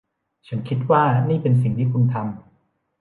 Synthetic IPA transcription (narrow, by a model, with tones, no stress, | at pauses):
t͡ɕʰa˩˦nkʰi˦˥t̪̚waː˥˩niː˥˩pe˧ns̬i˨˩ŋt̪ʰiː˥˩kʰu˧nt̪ʰa˧m